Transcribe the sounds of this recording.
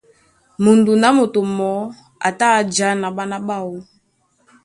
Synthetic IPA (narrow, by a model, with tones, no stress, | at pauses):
mo˨ndu˨na˨˦mo˨to˨mɔ˨˦ | a̰˨ta˦d͡ʒa˨˦na˨ɓa˦na˦ba˦˨wu˦